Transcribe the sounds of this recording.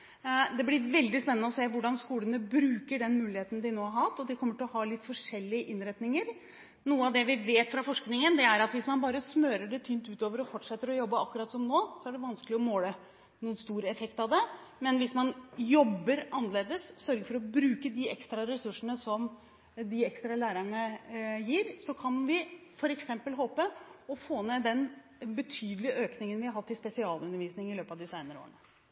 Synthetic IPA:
d̪ɛblɪɾʋɛld̪ɪspɛnənəɔseːʋʊɖɑnskuːlənəbɾʉːkəɖɛnmʉːlɪheːt̪ənəd̪ɪnoːæɾhɑt̪ːɔd̪ɪkʰɔmːəʈʰɔɦɑːlɪt̪ːfɔʂɛlːɪəʔɪnɾɛt̪nɪŋəɾ | nuːəɑʋd̪ɛʋɪʋeːt̪fɾɑfɔʂknɪŋənd̪ɛæɾɑt̪ʋɪsmɑnbɑːɾəsmøːɾəɖɛt̪ʰyːnt̪ʉːt̪oːʋəɾɔfɔʈʂɛt̪ːəɾɔjɔbːəɑkːʉɾɑt̪sɔmnoːsɔæɖɛʋɑnskəlɪɔmoːlə | nuːənst̪uːɾəɛfɛkt̪ɑʋd̪ɛ | mɛnʋɪsmɑnjɔbːəɾʔɑnəleːd̪əsːœɾɡəɾfɔɾɔbɾʉːkəd̪ɪɛ̰kst̪ɾɑɾɛsʉʂəɳəsɔm | d̪ɪɛkst̪ɾɑlæːɾəɳəjiːɾsɔkʰɑnʋɪfɔɾɛksɛmpəlɦoːpəɔfoːnɛd̪ɛn | bət̪ʰyːd̪əlɪəʔøːknɪŋənʋɪhɑɾɦɑt̪ːɪspɛsɪɑːlʉnəɾʋiːsnɪŋɪløːpɑʋd̪ɪsæɪnəɾo̰ːɳə

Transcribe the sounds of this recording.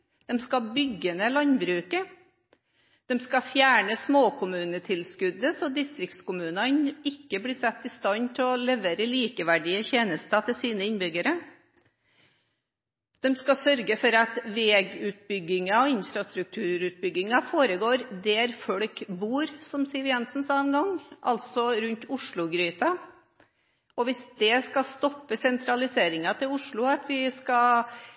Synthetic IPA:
d̪̥ɛmskɑbʏɡːənəlɑnbɾʉːkə | d̪̥ɛmskɑfjæːɳəsmoːkʰʊmʉːnət̪ʰɪlskʉd̪ːəsɔd̪ɪst̪ɾɪkt̪skʊmʉːnɑnɪkːəbliːsɛt̪ːɪst̪ɑnt̪ʰɪɔlɛʋeːɾəliːkəʋæɖɪəçeːnəst̪ɑt̪ʰɪlsiːnəɪnbʏɡəɾə | d̪̥ɛmskɑsœɾɡəfɔɾɑt̪ʋeːɡʉːt̪̚bʏɡːɪŋɑɔɪnfɾɑst̪ɾʉk̚t̪ʰʉːɾʉːt̪̚bʏɡːɪŋɑfoːɾəɡoːɾd̪ɛæɾfɔɽkbuːɾsɔmsiːʋɪɑnsn̩sɑːənɡɑŋʔɑ̰lt̪sɔɾʉnt̪ʰʊʂɭʊɡɾyːt̪ɑ | ɔʋɪsd̪ɛskɑst̪ɔpːəsɛnt̪ʰɾɑlɪseːɾɪŋɑt̪ʰɪlʊʂɭʊɑt̪ʋɪskɑ

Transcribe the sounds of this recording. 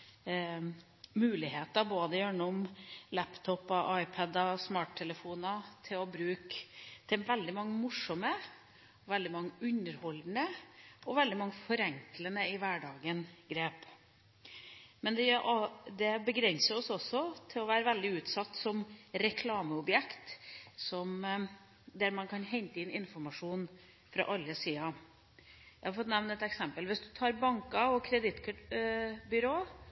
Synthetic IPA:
mʉːlɪheːt̪ɑboːd̪əjøːɳʊmlæpt̪ʰɔpɑʔɑɪpʰɑd̪ɑsmɑːʈ̚t̪ʰɛləfuːnɑt̪ʰɪlɔbɾʉːkt̪ʰɛnʋɛld̪ɪmɑŋːəmʊʂːɔmə | ʋɛld̪ɪmɑŋːəʉɲəɾhɔld̪n̩əɔʋɛld̪ɪmɑŋːəfɔɾɛŋklənəɪʋæɖɑːɡənɡɾeːp | mɛnd̪ɛʔd̪ɛbəɡɾɛnsəɾɔsɔsɔt̪ʰɪlɔʋæːɾəʋɛld̪ɪʉːt̪sɑt̪ːsɔmɾɛkʰlɑːməɔbjɛkt̪sɔm | d̪æɾmɑnkʰɑnɦɛɲt̪əɪnɪnfɔɾmɑʂuːn | fɾɑ̰ʔɑlːəsiːɑ | jæɪhɑɾfɔt̪nɛʋnɛt̪ɛksɛmpəlʋɪsd̪ʉt̪ʰɑːɾbɑŋkɑɔkʰɾɛd̪ɪt̪k | bʏɾoː

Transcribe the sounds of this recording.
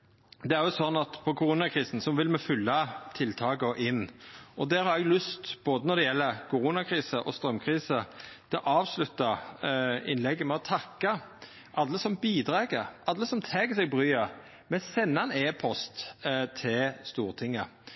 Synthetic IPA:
d̪ɛæɾjʊsɔnːɑt̪pʰɔkʰʊɾuːnɑkʰɾiːsn̩sɔʋɪlmɛfʏlːɑt̪ʰɪlt̪ʰɑːɡəɔʔɪnːʔɔd̪æːɾhɑɾɛɡlʉst̪b̥oːd̪ənɔɾd̪ɛjɛlːəɾkʰʊɾuːnɑkʰɾiːsəʔɔst̪ɾœmkʰɾiːsət̪ʰɛɔʔɑːʋslʉt̪ːɑ | ɪ̰nlɛɡːəmɛɔt̪ʰɑkːɑ | ʔɑlːəsɔmbiːd̪ɾeːɡəɾʔɑlːəsɔmt̪ʰɛːɡəsɛɡ̚bɾyːə | mɛsɛnːɑɛneːpʰɔst̪t̪ʰɪlst̪uːɾt̪ʰɪŋːə

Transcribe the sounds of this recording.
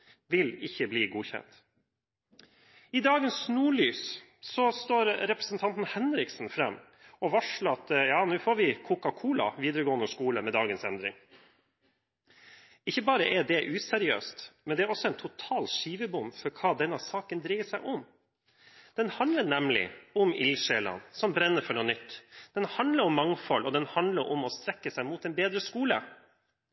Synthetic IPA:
ʋɪlɪçːəbliːɡuːçɛ̰nt̪ | ɪd̪ɑːɡənsnuːɭyːs | sɔst̪oːɾɾɛpɾɛsn̩t̪ʰɑnt̪n̩hɛnɾɪksn̩fɾɛmː | ɔʋɑʂləɾɑt̪jɑːnʉːfoːɾʋɪkʰʊkɑkʰuːlɑ̰ʋiːd̪əɾəɡoːənəʂkuːləmɛd̪ɑːɡənsɛnd̪ɾɪ̰ŋ | ɪçːəbɑːɾəʔɛd̪ɛʔʉːsɛɾɪø̰ːst̪mɛnd̪ɛæɾɔsːɔɛnt̪ʰʊt̪ʰɑːlʃiːʋəbʊmfɔɾkʰɑːd̪ɛnɑsɑːkənd̪ɾiːəsæɪʔʊm | d̪̥ɛnhɑnd̪ləɾnɛmlɪ̰ʊmɪ̰lʃeːlɑ̰nsɔmbɾɛnːəɾfɔɳuːnʏt̪ːd̪̥ɛnhɑnd̪ləɾɔmːɑŋfɔlʔɔd̪ɛnhɑnd̪ləɾʔʊ̰mɔst̪ɾɛkːəsæɪmuːt̪ɛnbeːd̪ɾəskuːlə

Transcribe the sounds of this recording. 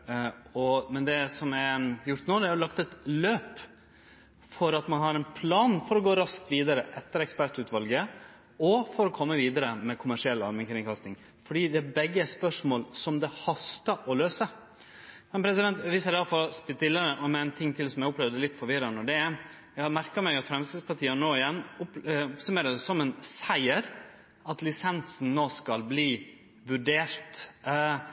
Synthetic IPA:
ɔmɛnd̪ɛsɔmɛjʊɾt̪noːd̪ɛæɾjʊlɑkt̪ɛt̪løːp | fɔɾɑt̪mɑnɦɑɾɛnpʰlɑːnfɔɾɔɡoːɾɑskt̪ʋiːd̪ɑɾəʔɛt̪ːəɾɛkspæʈʉːt̪ʋɑlɡə | ɔfɔɾɔkʰɔmːəʋiːd̪əɾəmɛkʰʊmæʂɪɛlːɑ̰lmɛnkʰɾɪŋkʰɑst̪nɪŋ | fɔɖiːd̪ɛæbɛɡːəspœʂmoːlsɔmd̪ɛhɑst̪əʔɔløːsə | mɛnpʰɾɛsɪd̪ɛnt̪ʋiːsəɾɑfɔɾspɪt̪ɪlːəɾəʔɔmɛæɪnt̪ʰɪŋːt̪ʰɪlsɔmjæɪʊplɛʋd̪əlɪt̪ːfɔɾʋɪɾɑnəɖɛ | jɛɑmæɾkəmæɪɡɑt̪fɾɛmst̪ɪspʰɑʈ̪ʰiːənoːɪjɛnːʊpɔpsʉmeːɾəd̪əsɔmɛnsæɪəɾ | ɑt̪lɪsɛnsn̩noːskɑlbliː | ʋʉɖeːɾt̪

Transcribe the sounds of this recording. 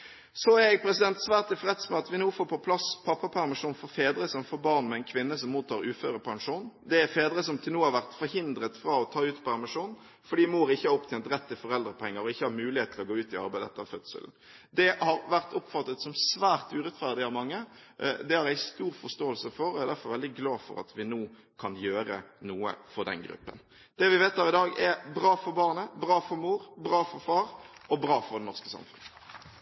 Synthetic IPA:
sɔæjɛɡ̚pʰɾɛsɪd̪ɛnt̪sʋæːʁt̪ɪfʁɛt̪smɛɑt̪ʋɪnuːfoːpʰɔpʰlɑspʰɑpːɑpʰæʁmɪʂuːnfɔɾfeːd̪ɾəsɔmfoːɾbɑʁnmɛæɪnkʰʋɪnːəsɔmːuːt̪ʰːɑːʁʉːføːɾəpʰɑŋʂuːnd̪ɛæɾfeːd̪ɾəsɔmt̪ʰɪlnuːəhɑʋæʁt̪fɔɾhɪnd̪ɾət̪fɾɑɔt̪ʰɑːʉːt̪pʰæʁmɪʂuːn | fɔɖiːmoːɾɪçːəhɑɔpt̪ʰɛnt̪ɾɛt̪ːɪfɔɾɛld̪ɾəpʰɛŋːəɾɔɪçːəhɑɾmʉːlɪheːt̪t̪ʰɪlɔɡoːʉːt̪ɪɑ̰ɾbæɪd̪əɛ̰t̪əɑ̰fœt̪sə̰ln̩ | d̪ɛhɑɾʋæʁt̪ʊpfɑt̪ːət̪sɔmsʋæːʁt̪ʉːʁɛt̪fæʁd̪ɪɑʋmɑŋːə | d̪ɛhɑɾæɪst̪uːɾfɔst̪oːəlsəfɔɾɔæɪd̪æɾfɔɾʋɛld̪ɪɡlɑːfɔ̰ɾɑ̰t̪ʰʋɪnoː | kʰɑnjøːɾə̰nuːə̰fɔd̪ɛ̰nɡɾʉ̰pːə̰n | d̪̥ɛʋɪʋeːt̪hɑːʁɪd̪ɑːɡɛbɾɑːfɔɾbɑʁnəbʁɑːfɔɾmuːɾbʁɑːfɔɾfɑːʁɔbʁɑːfɔʁɾd̪ɛnɔʁskəsɑ̰mfʉ̰nə

